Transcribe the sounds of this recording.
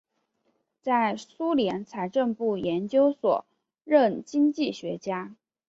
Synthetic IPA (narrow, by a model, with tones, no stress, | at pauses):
t͡sa˥˩ɪsu˥ljɛ˧˥nt͡sʰa˧˥ɪʈ͡ʂə˥˧npu˥˩jɛ˧˥nt͡ɕjo˥ʊswɔ̰˨˩ | ɻə˥˩nt͡ɕi˥ŋt͡ɕi˥˩ɕɥɛ˧˥t͡ɕja˥